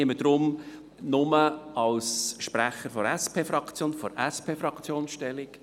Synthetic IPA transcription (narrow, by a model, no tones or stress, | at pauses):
məd̥ɾʊm | nʊməɑlsʃpɾæχəɾfɔɾɛspʰeːfɾɑkt͡sjoːnfɔɾɛspʰeːfɾɑkt͡sjoːnsʃtɛlɪk